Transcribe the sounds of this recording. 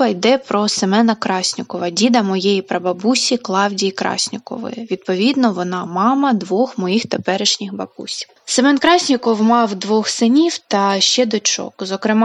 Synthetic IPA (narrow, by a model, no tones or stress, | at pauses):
ɐjd̪ɛpɾɔsɪmɛnɐkɾɑsʲnʲʊkɔʋɐdʲid̪ɐmɔjejipɾɐbɐbusʲiklˠɑwdʲijkɾɑ̰sʲnʲʊkɔ̰ʋɪ̰ʋʲid̪̚pɔʋʲid̪nɔʋɔnɑmɑmɐd̪ʋɔxmɔjixt̪epɛɾɪʃnʲixbɐbṵsʲi̥wsɪmɛnkɾɑsʲnʲʊkɔwmɑwd̪ʋɔxsɪnʲiwt̪ɐʃt͡ʃɛd̪ɔt͡ʃɔ̰kzɔkɾɪmɑ